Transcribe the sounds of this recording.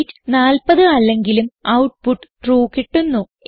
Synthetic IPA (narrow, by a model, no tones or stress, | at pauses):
tːɨnaːlpɐðɨɐlːeŋɡilumɐwʈ̚puʈːɨ̥ʈruːkiʈːunːu